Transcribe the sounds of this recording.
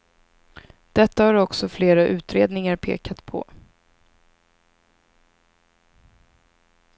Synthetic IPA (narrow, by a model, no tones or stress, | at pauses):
d̪̥ɛt̪ːahaɾɔksɔfleːɾaʔʉ̟ːt̪ɾeːd̪nɪŋaɾpʰḛːkat̪pʰɔ̰